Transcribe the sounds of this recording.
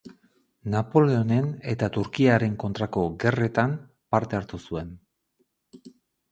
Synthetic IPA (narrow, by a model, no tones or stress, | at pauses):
napo̞le̞o̞ne̞ne̞t̪at̪uɾkiaɾe̞ŋko̞nt̪ɾako̞ɣe̞re̞t̪am | paɾt̪e̞aɾt̪usue̞n